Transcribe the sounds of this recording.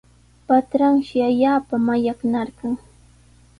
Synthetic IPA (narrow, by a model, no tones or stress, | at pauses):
pat̪ɾaŋʃɪaʎaːpamaʎaknaɾɢɑŋ